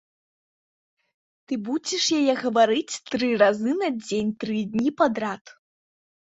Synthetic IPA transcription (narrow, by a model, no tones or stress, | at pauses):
t̪ɨbud͡zʲiʂjajɛɣɐvaɾɨt͡sʲt̪ɾɨrazɨnad͡zʲenʲt̪ɾɨd̪ʲnʲipad̪ɾat̪